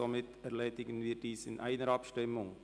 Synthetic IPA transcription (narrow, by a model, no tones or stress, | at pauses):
omɪtɛrleːdɪɡənʋiːdiːsɪ̰nʔæ̰ɪnəɾɑpʃtɪmʊŋ